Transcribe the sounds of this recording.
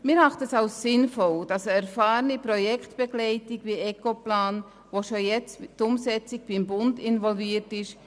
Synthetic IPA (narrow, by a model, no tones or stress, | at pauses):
mɪɾɑχtəsɑʊssɪnfɔld̥ɑsəæɾfaːɾənipɾɔjɛktb̥ɛɡlɛɪtɪɡviɛkoplaːn | ʋoʃojɛt͡stʊmsɛt͡siɡ̚b̥ɪmbʊndɪnvɔlviːətɪʃ